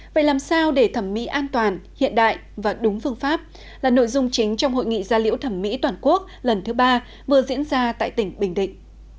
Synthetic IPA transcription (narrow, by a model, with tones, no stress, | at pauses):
və̰˧˨jlaː˨˩msaː˧wɗe˧˩t̪ʰə˧˩mːḭ˧˥ʔaː˧nt̪waː˨˩nhḭ˧˨ənɗa̰ː˧˨jvaː˨˩ɗʊ˨˦ŋ͡mfɨ˧əŋfaː˦˥p̚ | laː˨˩no̰˧˨jzʊ˧ŋ͡mt͡ɕï˨˦ŋ̟t͡ɕɔ˧wŋ͡mho̰˧˨jŋḭ˧˨zaː˧lḭ˧˥əwt̪ʰə˧˩mːḭ˧˥t̪waː˨˩nku˦˥ək̚lə˨˩nt̪ʰɨ˨˦ɓaː˧ | vɨ˨˩əzḭ˧˥ənzaː˧t̪a̰ː˧˨jt̪ï˧˩ŋ̟ɓï˨˩ŋ̟ɗḭ̈˧˨ŋ̟